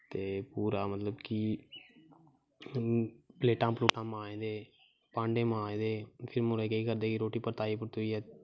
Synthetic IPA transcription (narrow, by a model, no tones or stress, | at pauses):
t̪eːpuːɾaːmət̪ləbki | pleːʈãːpluːʈãːmãːẽːd̪eː | pãːɳɖẽːmãːẽːd̪eːpʰɪɾmʊɾkəiːkəɾd̪eːkiɾoːʈiːpəɾt̪aːiːpʊɾt̪oiːɛː